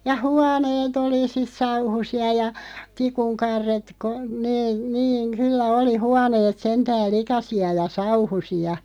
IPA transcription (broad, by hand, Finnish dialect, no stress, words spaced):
jɑ huɑneːt oli sis sɑuhusiɑ jɑ tikuŋ kɑrːet ko neː niːŋ kylːæ oli huɑneːt sentæːl likɑsiɑ jɑ sɑuhusiɑ